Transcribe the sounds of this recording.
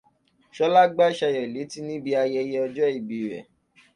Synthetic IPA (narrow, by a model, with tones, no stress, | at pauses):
ʃɔ˦la˦ɡ͡ba˦ʃa˧jɛ˨le˨˦ti˦nĩ˦bi˧a˧jɛ˧jɛ˧ɔ˧d͡ʒɔ˦i˦˨bi˨ɾɛ̰˨